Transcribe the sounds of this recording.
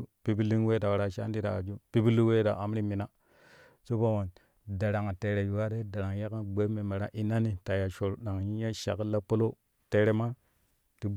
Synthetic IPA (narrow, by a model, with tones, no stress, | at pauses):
pi˦bi˦li˦ŋwe˦ta˨wa˨ɾa˨ʃa̰˦ndi˦da̰˨a̰˨d͡ʒu˦pi˦bi˦li˦we˦da̰˨a˨mɾi˦mi˨na˦ | so˦ba˦wo˨n | da˨ɾa˨ŋa˨te˨ɾe˨ju˨wa˦de˦da˨ɾa˨ŋja˦ka˦ɡ͡be˦me˨me˨ɾa̰˦ʔi˦na˦ni˨ta˨ja˨ʃo˨ɾɗa˨ŋji˦ja˦ʃa̰˨kla˦po˦lo˦ | te˨ɾe˨ma˦ | ti˨b